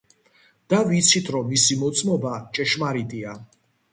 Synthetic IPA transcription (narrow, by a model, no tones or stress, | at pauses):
d̪̥avit̪sʰit̪ʰɾɔmːisimɔt̪sʼmɔbat͡ʃʼɛʃmaɾit̪ʼia